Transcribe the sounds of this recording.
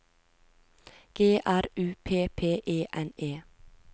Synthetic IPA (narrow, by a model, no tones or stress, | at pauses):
ɡ̥eːʔæɾʉːpʰeːpʰeːʔeːʔɛneː